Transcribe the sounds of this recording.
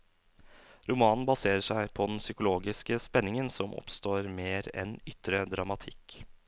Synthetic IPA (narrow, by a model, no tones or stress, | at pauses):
ɾʊmɑːnn̩bɑseːɾəʂæɪpʰɔd̪ɛnsʏkʊloːɡɪskəspɛnːɪŋənsɔmʔɔ̰pst̪oːɾmeːɾɛ̰nʏt̪ɾəd̪ɾɑmɑt̪ʰɪkː